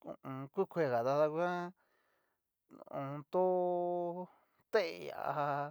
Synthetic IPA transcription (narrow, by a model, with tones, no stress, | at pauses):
ṵ̃˧˨ũ˧kʷi˦kʷʰe˧˨ɣa˨ða˧ða˧kʷã˦˧ | ũ˧t̪o˦ | t̪e˦ʔja̰˨˧a˧